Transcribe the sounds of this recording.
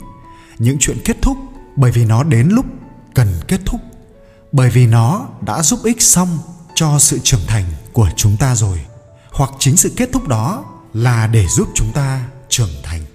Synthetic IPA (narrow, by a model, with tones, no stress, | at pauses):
ɲɨ̰˧˥ŋt͡ɕwḭ˧˨ənke˦˥t̚t̪ʰʊ˦˥k͡p̚ɓəː˧˩jvi˨˩nɔ˨˦ɗe˨˦nlʊ˦˥k͡p̚ | kə˨˩nke˦˥t̚t̪ʰʊ˦˥k͡p̚ | ɓəː˧˩jvi˨˩nɔ˨˦ɗa̰ː˧˥zu˦˥p̚ʔï˦˥k̟̚sa˧wŋ͡mt͡ɕɔ˧sɨ̰˧˨t͡ɕɨ˨˩əŋt̪ʰa˨˩jŋ̟ku˧˩ət͡ɕʊ˨˦ŋ͡mt̪aː˧zo˨˩j | hwa˨˩k̚t͡ɕï˨˦ŋ̟sɨ̰˧˨ke˦˥t̚t̪ʰʊ˦˥k͡p̚ɗɔ˨˦ | laː˨˩ɗe˧˩zu˦˥p̚t͡ɕʊ˨˦ŋ͡mt̪aː˧t͡ɕɨ˨˩əŋt̪ʰa˨˩jŋ̟